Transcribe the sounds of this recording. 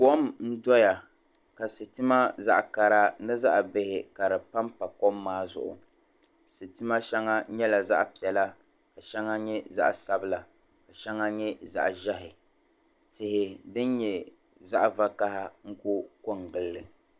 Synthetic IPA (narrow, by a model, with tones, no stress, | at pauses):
kɔ˦mn̩˦dɔ˦ja˨ | ka˨sɨ˨tɨ˦ma˦za̰˦ʔka˨ɾa˦nɨ˦za˦ʔbɪ˨hɪ˨ka˨ɾɨ˨pa˦mpa˨kɔ˦mːaː˦zʊ̰˨ʔʊ̰˨ | sɨ˨tɨ˦ma˦ʃɛ˦ŋːa˦ɲɛ˦la˨za̰˦ʔpi˨ɛ˨la˦ | ka˨ʃɛ˦ŋa˦ɲɛ˦za̰˦ʔsa˦bɨ˦la˨ | ka˨ʃɛ˦ŋːa˦ɲɛ˦za̰˦ʔʒɛ˦ɦɪ˨ | tɪ˨hɪ˨dɨ˦n˦ɲɛ˨ | za˦ʔva˦ka˦ha˦ŋ̩˦ko˦ko˦ŋ˨ɡɨ˨lːɨ˨